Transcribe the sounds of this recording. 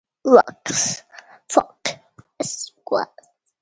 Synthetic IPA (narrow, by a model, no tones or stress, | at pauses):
lɔksfɔk | ɪskwa̰